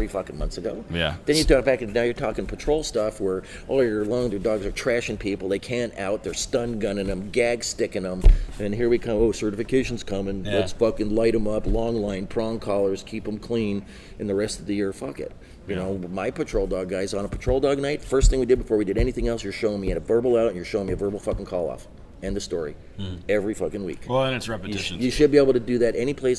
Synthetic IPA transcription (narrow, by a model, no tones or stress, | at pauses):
θθɹifʌkn̩mʌ̃nθsɨɡoʊjðɨ̃njɨdɑt̚b̥ækɨ̃nnaʊjə˞tʰɔkɪ̃ŋpʰɨtʰɹ̥oʊlˠstʌfwə˞ | ʔɔlˠjə˞lõŋðə˞dɔɡzə˞tʰɹ̥æʃɪ̃ŋpʰipl̩ˠðeɪkʰæ̃nta̰ʊt̪̚ðə̥˞stʌ̃nɡʌ̃nɨ̃nɨ̃mɡæɡstɪkɨ̃ŋə̃mɨ̃nɦiɹwikʰʌ̃moʊsɜ˞ɾɨfɨkʰeɪʃn̩z̥kʰʌ̃mɨ̃nɨtsfʌkɨ̃nlaɪɾɨ̃mʌplɔ̃ŋlãɪ̃npʰɹ̥ɔ̃ŋkʰɑlˠə˞z̥kʰipə̃m̩kʰl̥ĩn | ɨ̃nðɨɹɛstʌvðɨjɪɹfʌkɨ̰t̚ | jɨñoʊmaɪpʰɨtʰɹ̥oʊlˠdɔɡɡaɪzn̩əpʰə̥tʰɹ̥oʊlˠdɔɡ̚naɪtfɜ˞st̪θɪ̃ŋwidɨd̚bɨfɔɹwidɨɾɛniθɪ̃ŋɛlˠsjə˞ʃoʊɪ̃ŋmiɨ̃ɾɨvɜ˞bl̩ˠaʊɨ̃njə˞ʃoʊɪ̃ŋmiɨvɜ˞bl̩ˠfʌkɪ̃ŋ̩kʰɔlˠɔ̰f | ɨ̃nðɨstɔɹḭ | ɛvɹifʌkɨ̃nwḭkæsɹɛpɨtʰɪʃjɨʃɨd̚bieɪbl̩ˠtʰɨdɨðɨɾʔɛñipʰl̥eɪs